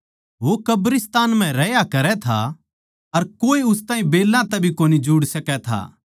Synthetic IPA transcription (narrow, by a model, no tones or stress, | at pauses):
ʋokɐbɾɪst̪aːnm̤ɛ̃ɾɛjakɐɾɛt̪ʰa̰ | ɐɾkoːiʊst̪ãːĩbeːlːãt̪ɛbʱikoːnid͡ʒʊːɽsɐkɛt̪ʰa̰ː